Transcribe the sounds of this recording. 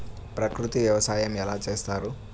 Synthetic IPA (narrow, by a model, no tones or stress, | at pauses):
pɾakɾut̪ijɛwasajamjalat͡ʃɛst̪aɾu